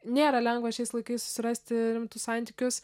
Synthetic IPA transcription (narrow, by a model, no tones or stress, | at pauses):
nʲeːɾɐlʲɛŋɡʋɐʃʲɛɪslˠɐɪkɐɪssʊ̥sʲɪɾɐsʲt̪ʲɪɾʲɪmt̪ʊsɑnʲt̪ʲikʲʊs